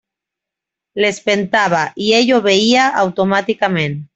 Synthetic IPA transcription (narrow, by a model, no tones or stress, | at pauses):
lespent̪aβ̞aʔieʎoβeiaʔawt̪omat̪ikamẽn